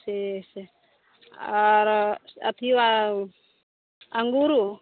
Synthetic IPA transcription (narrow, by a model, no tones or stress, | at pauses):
sese | aɾa̰t̪ʰiua | aŋɡuɾu